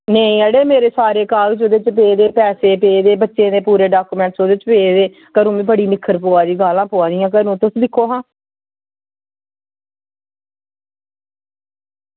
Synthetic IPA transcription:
neĩːəɽeːmeːɾeːsaːɾeːkaːld͡ʒoːd̪eːt͡ʃəp̬eːd̪eːpɛːseːpeːd̪eːbətːʃẽːd̪eːpuːɾeːɖaːkuːmɛ̃ːɳʈsoːd̪eːt͡ʃəpeːd̪eː | kəɾũːmĩːbəɽiːnɪkʰːəɾpoːaːd̪iːɡaːlãːpoːaːd̪ijãːk̬əɾũːt̪ʊsd̪ɪkʰːoːɦãː

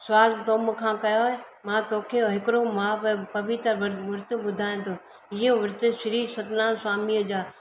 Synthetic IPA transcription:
sʊʋaːlt̪oːməkʰãːkɐjoe | mãːt̪oːkʰeɦɪkɪɾomãːppɐʋɪt̪əɾʋʊɾt̪obʊd̪ʱaːj̃t̪ʰoː | ɪjõʋʊɾt̪eʃɪɾiːsɐt̪naːnswaːmijəd͡ʑaː

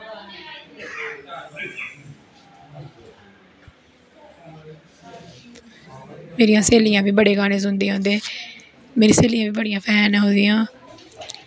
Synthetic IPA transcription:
meːɾijãːseːlijãːbiːbəɽeːɡaːɽeːzʊ̃nd̪iːɦõnd̪eː | meːɾiːseːlijãːbiːbəɽijãːpʰɛːnãːɦõːd̪ijãː

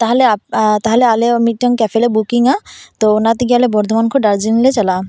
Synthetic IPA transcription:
t̪aɦɛleat̪aɦɛlealemiʈːɔŋkɛfʰɛlebukiŋat̪ɔnat̪iɡialɛbɔɾd̪ʱɔmankʰɔɖaɾd͡ʒinlɛt͡ʃala

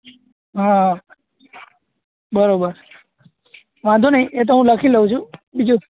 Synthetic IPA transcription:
ɦã | bəɾobəɾ | ʋãnd̪ʱunəɦĩʔet̪̬oɦũləkʰiləũt͡ʃʰũbid͡ʒu

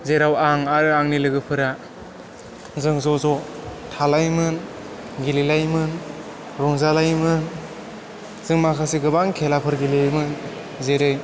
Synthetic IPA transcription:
zeɾawaŋaɾɯaŋnilɯɡɯpʰɯɾa | zɯŋzɔzɔtʰalajmɯn | ɡililajmɯn | ɾɔŋzalajmɯn | z̥ɯŋmakʰasiɡɯbaŋkʰelapʰɯɾɡilejmɯn | zeɾɯj

